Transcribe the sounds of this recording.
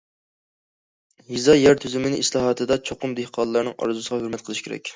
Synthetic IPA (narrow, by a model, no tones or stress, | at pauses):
jizɑjæɾt̪ʰyzymɪnɪʔislˠɑɦɑt̪ʰɨd̪ɑt͡ʃʰoqʊmd̪ehqʰɑnlˠɑɾnɨŋʔɑ̰ɾzusəʁɑhøɾmɛt̪̚qʰəlˠɨʃkʰʲeɾɛ̰kʲ